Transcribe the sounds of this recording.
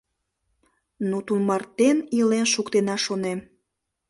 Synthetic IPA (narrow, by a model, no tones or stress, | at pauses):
nut̪unmɑrt̪enilenʃukt̪enɑʃonem